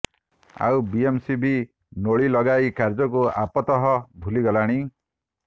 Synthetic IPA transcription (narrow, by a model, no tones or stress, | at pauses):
a̰wbiemsibʱi | noɭilɔɡajkaɾd͡ʒɔkuapɔt̪ɔɦɔbʱuliɡɔlaɽ̃i